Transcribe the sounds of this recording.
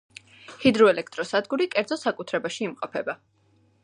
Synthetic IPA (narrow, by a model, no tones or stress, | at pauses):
hid̪ɾɔɛlɛk̚ʰt̪ʼɾɔsad̪ɡuɾikʼɛɾd̪zɔsakʼut̪ʰɾɛbaʃiːmqʼɔpʰɛba